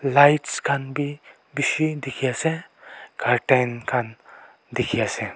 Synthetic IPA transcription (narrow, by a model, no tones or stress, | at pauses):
lajʈskʰanbi | biʃid̪ikʰijasekʰaɾʈankʰan | d̪ikʰijasɛ